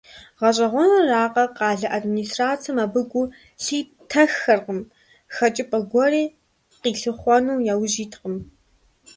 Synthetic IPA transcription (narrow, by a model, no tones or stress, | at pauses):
ʁɐɕ̬ʼɐʁʷɔnɐraːqɐqɑːɮɐʔadminiːstraːt͡sʰɨmɐbɨɡʷʊ | ɬiː | tʰɐxːɐrqəm | xɐt͡ʃʼɪpʼɐɡʷɔriː | qiːɬɨχʷɔnuːjaːwʒiːtʰqəm